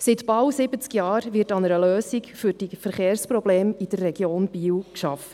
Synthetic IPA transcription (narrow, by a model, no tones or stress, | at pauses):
sɪt̪b̥ɑwsɪbət͡skjɑːɾʋɪɾtɑnəɾəløːsikfyɾd̥ifəɾχeːɾspɾɔbleːmid̥ərːɛɡjoːnb̥iːwkʃɑf